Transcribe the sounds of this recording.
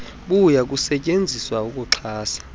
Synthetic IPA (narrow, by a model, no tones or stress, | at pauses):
ɓujak̬ʼusɛcʼend͡zʱiswaukʼuǁʰaːsḁ